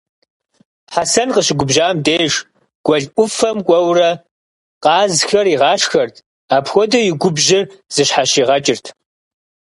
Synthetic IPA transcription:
ħasɐnqəɕɪɡʷʊbʒaːmdeːʂ | ɡ̥ʷɔɮʔʷʊfɐmkʷʼɔwrɐ | qɑːzxɐriʁɑːʂxɐrtʰ | aːpxʷɔdɐjɪɡʷʊbʒɪrz̥ɨɕħaɕiːʁɐt͡ʃʼɪrtʰ

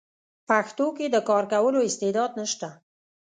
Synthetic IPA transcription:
paxt̪oked̪əkɑɾkawəloɪst̪ed̪ɑd̪nəʃt̪a

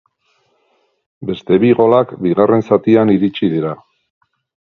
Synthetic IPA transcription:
be̞st̪e̞βiɣo̞lakbiɣare̞nsat̪ianiɾit͡ʃiðiɾa

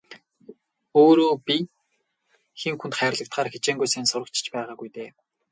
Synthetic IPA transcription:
oːɾoːpi | xeŋxunt̪χæːr̆ɮə̆k̚t̪χaːɾxet͡ɕeːŋɡʊjseːnsʊɾə̆k̚t͡ɕ̆ʰt͡ɕpæːʁaːɡujt̪eː

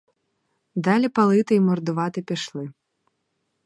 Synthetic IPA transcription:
d̪alʲipalˠɨt̪ɨimɔrd̪ʊvat̪ɨpʲiʂlˠɨ

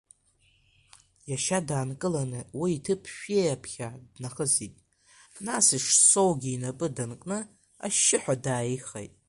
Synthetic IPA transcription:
jaʃadaːnkʼɨlanɨwiːtʰɨpʰʃᶣejapʰχʲadnaχəzitʼ | nasiʂso̞wɡʲiːnapʼɨdankʼnɨ | a̰ʃːɪħʷᶣadaːiχḛjtʼ

